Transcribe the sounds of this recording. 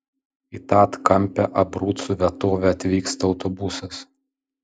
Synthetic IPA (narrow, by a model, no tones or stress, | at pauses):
it̪ɑːt̪kɐmʲpʲɛʔɐbɾuːt̪suʋʲɛt̪oːʋʲɛɐt̪ʲʋʲiːkst̪ɐɒʊt̪ɔbʊsɐs